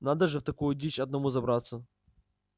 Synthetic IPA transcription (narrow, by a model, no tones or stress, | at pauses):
nad̪əʐɨft̪ɐkujʊdʲit͡ɕɐd̪nɐmuzɐbɾat̪sːə